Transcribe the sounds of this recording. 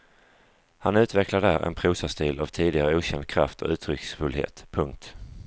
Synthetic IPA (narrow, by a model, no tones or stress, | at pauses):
hanʉ̟ːt̪vɛklad̪əæːɾɛ̰npʰɾuːsast̪iːlavt̪ʰiːd̪ɪɡaɾəuːɕɛnd̪̚kʰɾa̰ft̪ʰɔ̰ʉ̟ːt̪ʰɾʏksfɵlɦḛːt̪pʰɵŋk̚t̪